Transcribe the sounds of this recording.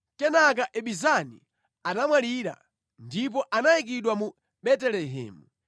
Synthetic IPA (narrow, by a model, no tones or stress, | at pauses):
kɛnak̬aʔɛɓizanḭ | anamwaliɾa̰ | ndip̬ɔʔanajik̬iɗwamu | ɓɛtɛlɛɦɛ̰ːmu